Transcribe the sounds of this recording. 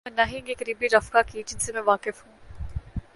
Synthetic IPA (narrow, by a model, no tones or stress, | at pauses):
mẽnɐɦĩɡekəɾiːbiɾɐfkakid͡ʒɪnsemɛ̃ʋaːkɪfɦũː